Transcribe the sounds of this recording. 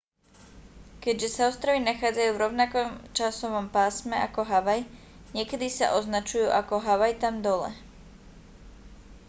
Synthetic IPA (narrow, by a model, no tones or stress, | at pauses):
kɛɟʒɛsaɔst̪ɾaʋinaxaːd͡zajuːvɾɔʊnakɔmt͡ʃasɔʋɔmpaːsmɛakɔɦaʋaj | ɲɪɛkɛd̪isa̰ʔɔznat͡ʃujuːʔakɔɦaʋajt̪amd̪ɔlɛ̰